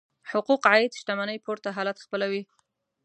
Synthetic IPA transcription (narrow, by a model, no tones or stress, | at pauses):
hʊquqʕajɪd̪ʃt̪amanəjpoɾt̪aɦɑlat̪xpəlawi